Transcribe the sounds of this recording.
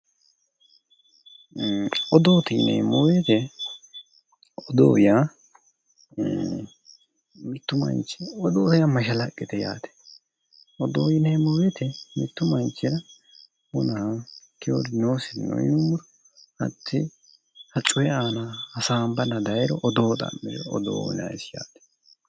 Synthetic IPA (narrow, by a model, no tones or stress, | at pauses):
ɔd̪oːt̪ɐjnɛ̰mɔwet̪ɛ | ɔd̪o̰ːja | mɪt̪ːʊmɐ̰nt͡ʃːɪɔd̪oːt̪ɐjamɐʃɐlɐkʼːɪt̪ɛja̰ːt̪ɛ̥ | ɔd̪oːjɪnɛjmʊwet̪ɛmɪt̪ːʊmɐnt͡ʃːɪɾɐ | hʊnɐkɛoɾɪnoːsɪnɔ̰ɪ̰nʊmʊɾɔ | hɐ̰t̪ʰːɪ | hɐt͡ʃʼːʊjɛaːnaɐsaːmbɐnɐd̪ɐjɛɾɔʔɔd̪oːt̪ʼɐ̰mːɪɾɛ̰ɔ̰d̪o̰ːjɪ̰nɐ̰sja̰ːt̪ɛ̥